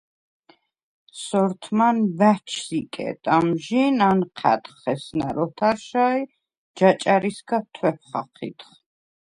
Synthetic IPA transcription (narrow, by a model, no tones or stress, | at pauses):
sɔɾt̪ʰmanvæt͡ʃʰsikʼɛ̰t̪ʼamʒinanqʰa̰t̪χɛsnaɾɔt̪ʰaɾʃai | d͡ʒat͡ʃʼaɾisɡat̪ʰwɛp̚ʰχaχʰḭt̪χ